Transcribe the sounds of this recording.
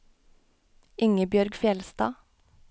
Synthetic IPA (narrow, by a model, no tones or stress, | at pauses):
ɪŋəbjœɾɡfjɛlst̪ɑ̰ː